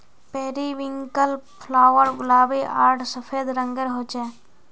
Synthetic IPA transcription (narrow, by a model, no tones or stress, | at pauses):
peːɾiʋɪ̃ŋkəlpʰlaːʋəɾɡʊlaːbeʔaːɾɖsəpʰeːd̪ɾə̃ŋɡəɾɦoːt͡ʃɛː